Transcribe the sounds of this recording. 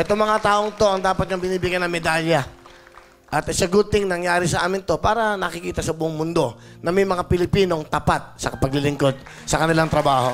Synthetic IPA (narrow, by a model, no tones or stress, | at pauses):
ʔɛt̪oŋmɐŋat̪aːʔoŋt̪o̞ʔɐŋd̪aːpɐt̪̚ɲɐŋbɪniːbɪɡjanɐŋmɛd̪aljɐ | ʔɐt̪ɪsɐɡut̪ɪŋnɐŋjaːɾɪsɐʔaːmɪnt̪o̞paːɾɐnɐkɪkiːt̪ɐsɐbʊʔoŋmʊnd̪o̞ | nɐmɐjmɐŋapɪlɪpiːno̞ŋt̪ɐpat̪̚sɐkɐpɐɡ̚lɪlɪŋko̞d̪̚ | sɐkɐnɪlaŋt̪ɾɐbaːho̞̰